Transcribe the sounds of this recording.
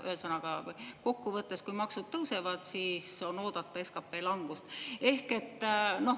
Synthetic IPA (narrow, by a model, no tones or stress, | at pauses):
y̰ɦesɤnɑɡ̥ɑko̞kːuvɤt̪ːˑe̞skujmɑksud̪̥̚t̪ɤwse̞vɑd̪̥siːso̞no̞ːd̪̥ɑt̪ˑːɑe̞skɑpːe̞ːlɑŋɡ̥ust̪e̞hke̞t̪ːˑno̞